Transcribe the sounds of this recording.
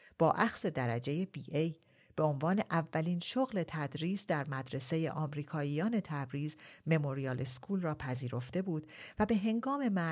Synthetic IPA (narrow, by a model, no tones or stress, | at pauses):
b̥ɒːʔæxse̞d̪æɾæd͡ʒe̞jebiːʔej | b̥e̞o̞nvɒːne̞ʔævːæliːnʃoɣle̞t̪ʰæd̪ɾiːsd̪æɾmæd̪ɾe̞se̞je̞̰ʔɒːmɾiːkʰɒːijɒːne̞t̪ʰæbɾiːzme̞mo̞ɾiɒːlʔeskʰuːlrɒːpʰæziːɾo̞ft̪e̞buːd̪̥væbe̞ɦe̞ŋɡɒːme̞mæ